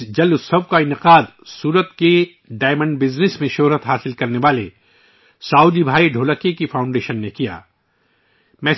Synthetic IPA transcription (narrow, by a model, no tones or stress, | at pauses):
d͡ʒɐlʊsɐb̚kaɪnɪqaːd̪suːɾət̪ke | ɖaːɪmə̃ɳɖbɪznɪsmẽʃʊɦɾət̪ɦaːsɪlkɐɾneʋaːle | saːud͡ʒ̪ibʱaːiɖʱoːləkekifʰaːʊ̃ɳɖeːʃənːekija̰ː | mɛ̃ː